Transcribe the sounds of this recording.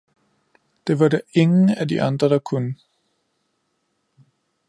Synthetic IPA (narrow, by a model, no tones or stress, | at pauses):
d̥e̝ʋɑ̈dæe̝ŋn̩ædiʔɑ̈nd̥ʁɐd̥ɑ̈kʰunə